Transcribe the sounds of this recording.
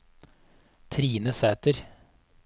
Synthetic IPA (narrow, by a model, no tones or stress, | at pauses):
t̪ʰɾiːnəsæːt̪əɾ